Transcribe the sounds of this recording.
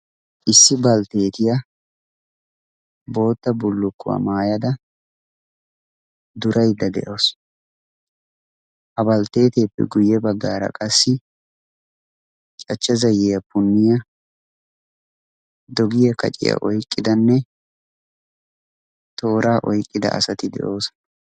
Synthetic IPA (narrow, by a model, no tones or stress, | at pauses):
ʔɪsːɪbɐlt̪e̞ːt̪ɪjɐ | bo̞ːt̪ːɐbʊlːʊkːʊ̰wa̰maːjɐd̪ɐ | d̪ʊɾʔɐjd̪ɐd̪ɛ̰ʔoːs | hɐbɐlt̪e̞ːt̪e̞ːpːɛ̰ɡʊjːɛbɐɡːaːɾɐ̰kʼɐsːɪ | t͡ʃt͡ʃʼɐt͡ʃːɐzɐjɛjɐpʊnːɪjɐ | d̪ɔɡɪjɐkɐ̰t͡ʃʼɪ̰jɐ̰ʔɔjkʼːɪd̪ɐnːɛ | t̪o̞ːɾaːʔɔjkʼːɪd̪ɐ̰ʔɐ̰sɐt̪ɪd̪ɛ̰ʔo̞ːs